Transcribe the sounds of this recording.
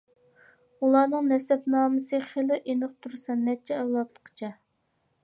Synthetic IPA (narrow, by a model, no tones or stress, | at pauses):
ulˠɑːnɨŋnɛsɛpnɑːmɨsɨχelɪʔenɨq̚t̪ʰuɾsɑnːɛt͡ʃʰɛɛwlˠɑt̪ːə̥qʰə̥t͡ʃʰɑ